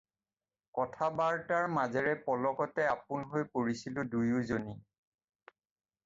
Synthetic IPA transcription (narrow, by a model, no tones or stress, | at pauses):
kɔtʰabaɹtaɹmazɛɹɛpɔlɔkɔtɛapʊnɦojpoɹisilʊ̃dujʊzoni